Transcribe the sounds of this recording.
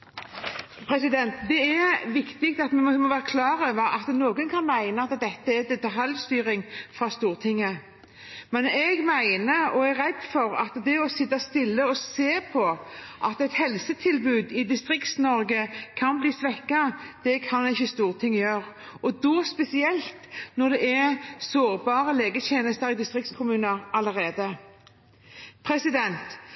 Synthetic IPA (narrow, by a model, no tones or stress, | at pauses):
pʰɾɛsɪd̪ɛnt̪d̪ɛɛʋɪkt̪ɪk̚t̪ɑt̪mɛmmɔʋæːɾʁəkʰlɑːɾøːʋəɾɑt̪noːɡənkʰɑnmæɪnəɑt̪d̪ɛt̪ːəɛd̪ɛt̪ːɑɦɑlst̪yːɾɪŋfɾɑst̪uːʁt̪ʰɪŋːə | mɛnɛɡmæɪnəɔæʁɛd̪fɔɾɑ̰t̪d̪ɛɔsɪt̪ːɑst̪ɪlːəɔseːpʰɔʔɑt̪ɛɪt̪hɛlsət̪ʰɪlbʉːd̪ɪd̪ɪst̪ʁɪkt̪snɔɾɡəkʰɑnbliːsʋɛkːɑd̪̥ɛkʰɑnɪçːəst̪uːʁt̪ʰɪŋːjøːɾ | ɔd̪ɔspɛsɪɛlt̪nɔʁd̪ɛɛɾsoːɾbɑːʁəleːɡət̪ʰeːnəst̪əɾɪd̪ɪst̪ʁɪkt̪skʰʊmʉːnəɾɑləʁeːd̪ə | pʰɾɛsɪd̪ɛnt̪